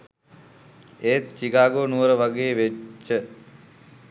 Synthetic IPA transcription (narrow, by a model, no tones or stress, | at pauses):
eːt̪t͡ʃiɡaːɡoːnuʋəɾəʋaɡeːʋet͡ʃːə